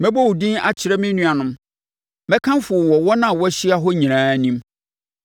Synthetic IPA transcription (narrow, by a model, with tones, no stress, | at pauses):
mɛ̃˦bɔ˦wu˨dĩ˦na˦t͡ɕʰɪ˨ɾɛ˦mɪ̃˦nũ˦a˨nʊ̃˦m | mɛ̃˦kʰã˦mfʊ˨wɔ˨wɔ˦nã˦˨wɔ˦ɕi˦a˦ɦɔ˦ɲĩ˨ɾ̃ãː˦nĩ˦m